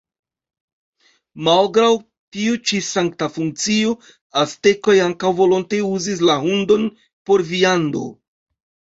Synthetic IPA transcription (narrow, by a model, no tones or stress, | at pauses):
malɡɾaw | tiut͡ʃisaŋk̚tafuŋk̚t͡sio | aste̞ko̞jaŋkawvo̞lo̞nteuzis̬laɦundo̞n | po̞ɾviando̞̰